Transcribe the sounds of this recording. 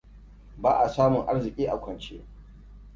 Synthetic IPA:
baː˦ʔa˨saː˦mʊ˨ŋʔa˦rzɪ˨kʲʼiː˦ʔa˨kʷʰɐ˨nt͡ʃe˦

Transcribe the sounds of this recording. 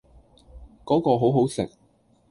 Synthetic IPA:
kɔː˨˥kɔː˧ɦo˨˥wɦo˨˥wsɪ̰˨˩k̚

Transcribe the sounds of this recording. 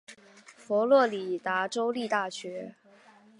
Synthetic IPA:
fɔ˧˥lwɔ˥˩li˨˩t̪a˧˥ʈ͡ʂo˥ʊli˥˧t̪a˥˩ɕɥɛ˧˥

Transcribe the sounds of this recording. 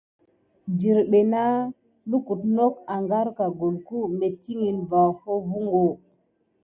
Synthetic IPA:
d͡ʒi˨ɾɓe˨na˦ | lu˦ku˨tno˦k̚a˨ŋɡa˦ɾka˨ɡo˨lku˦me˨ti˦ŋi˨nva˨ho˦vu˦ŋɡo˨

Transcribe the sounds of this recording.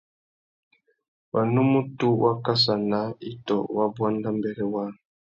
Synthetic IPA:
wa˨nu˦mu˦tu˦wa˦ka˦s̬a˨na˦i˦tɔ̰˨wa˦bwa˦nda˦mbɛ˦ɡɛ˦wa˦n˨

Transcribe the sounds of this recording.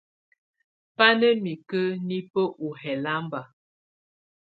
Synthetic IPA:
pa˦nə˦mi˨kə˦ni˦pə˦ʔu˨ɦɛ˨la˦mba˨

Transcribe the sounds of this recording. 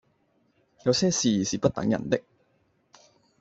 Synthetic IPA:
jɐ˨˧wsɛː˥siː˨˩siː˨pɐ˥t̚t̪ɐ̰˨˥ŋjɐ̰˨˩nt̪ɪ˥k̚

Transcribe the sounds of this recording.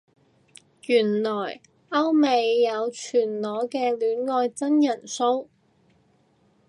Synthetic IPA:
jyː˨˩nlɔː˨˩j | ʔɐ˥wme˨˧jːɐ˨˧wt͡ʃʰyː˨˩nlɔː˨˥kɛː˧lyː˨˥nŋɔː˧jt͡sɐ˥njɐ˨˩nso˥w

